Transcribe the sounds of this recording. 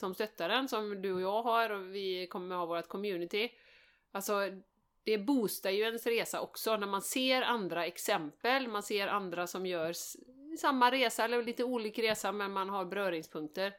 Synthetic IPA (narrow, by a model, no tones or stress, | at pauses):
sɔmst̪œt̪ːaɾənsɔmd̪ɵɔjɑːɡɦaɾɔvɪkʰɔmːəɾhaːvoːɾat̪̚kʰɔmjʉ̟ːnɪt̪ɪ | alsɔ | d̪̥ɛbuːst̪ajɵɛnsɾeːsa̰ʔɔksɔnæɾmanseːɾand̪ɾaɛksɛmpəlmanseːɾʔa̰nd̪ɾasɔmjœːʂ | ɪsamːaɾeːsaɛlːəɾɭiːt̪əuːliːkɾeːsamɛnmanɦaɾbɾœːɾɪŋspʰɵŋk̚t̪əɾ